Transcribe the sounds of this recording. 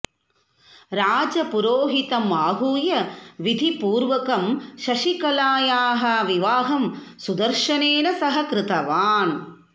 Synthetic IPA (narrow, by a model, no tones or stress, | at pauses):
ɾaːd͡ʒɐpuɾoːɦit̪ɐmaːɦuːjɐʋid̪ʱipuːɾʋɐkɐmʃɐʃikɐlaːjaːɦɐʋiʋaːɦɐmsud̪ɐɾʂɐneːnɐsɐɦɐkɾɪt̪ɐʋaːn